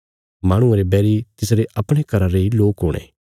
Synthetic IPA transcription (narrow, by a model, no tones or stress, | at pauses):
maːɽ̃ʊ̃aɾebɛːɾit̪ɪsɾeʔɐpɽ̃ekɐɾaɾeiloːkɦʊːɽ̃ḛː